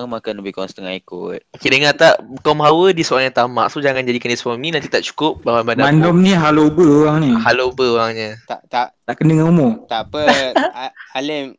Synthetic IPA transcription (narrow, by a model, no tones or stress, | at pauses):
ŋmakanləbikɔnst̪əŋaikʊ̰t̪̚okedəŋat̪aʔkɔmɦawədisoalɲat̪ama̰ʔt̪ud͡ʒaŋand͡ʒadikanisfɔnĩnant̪it̪aʔt͡ʃu̥kʊp̚bawanbandamandɔmniɦalobəoɣaŋnihalobəoɾaŋɲat̪a̰ʔt̪aʔt̪aʔkəndəŋanumɔt̪apə | alɪm